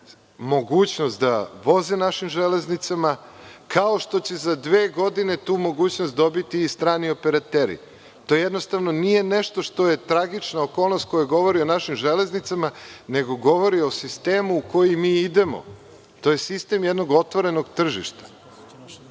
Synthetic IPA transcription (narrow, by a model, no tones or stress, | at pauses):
mo̞ɡuːt͡ɕnost̪d̪a̰ʋo̞zinaʃimʒeleznit̪samakʰaoʃt̪o̞t͡ɕe̞zad̪ʋeːɡo̞d̪ine̞t̪uːmo̞ɡuːt͡ɕnost̪̚d̪o̞bit̪iːst̪ɾaːniopeɾat̪eɾḭ | t̪o̞jejed̪no̞st̪aʋno̞nije̞neʃt̪o̞ʃt̪o̞je̞t̪ɾaɡit͡ʃnaokolˠnost̪̚ko̞jueɡo̞ʋo̞ɾio̞naʃimʒele̞znit̪samane̞ɡo̞ɡo̞ʋo̞ɾio̞sist̪eːmuːko̞jimiːid̪e̞mo̰ | t̪o̞je̞sist̪e̞mjed̪no̞ɡo̞t̪ʋo̞ɾe̞no̞ɡt̪r̩ʒḭʃt̪ḁ